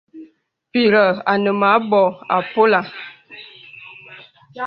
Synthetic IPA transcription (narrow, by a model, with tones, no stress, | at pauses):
pi˦˨ɾə˨a˨nə˨ma˨˦bɔ˨a̰˨po˦la˨